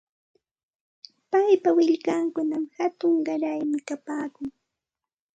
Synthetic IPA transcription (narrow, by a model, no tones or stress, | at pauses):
pajpawɪʎkaŋkʊnamhat̪ʊŋɢɑɾajmɪkapaːkʊŋ